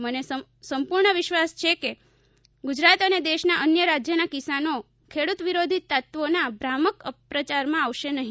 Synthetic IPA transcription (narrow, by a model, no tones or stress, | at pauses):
məne | səmpuɾɳəʋɪʃʋast͡ʃʰeke | ɡud͡ʒɾat̪əned̪eʃnaʔənjəɾad͡ʒjənakisano | kʰeɽut̪ʋiɾod̪ʱit̪ːat̪ʋonabɾaməkəpɾət͡ʃaɾmãaʋʃenəɦi